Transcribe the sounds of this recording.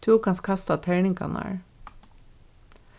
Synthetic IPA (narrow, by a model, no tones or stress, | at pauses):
t̪ʰuːkɑnskʰɑst̪ɑt̪ʰæɪɳɪŋkʰɑ̰nɑ̰ːɹ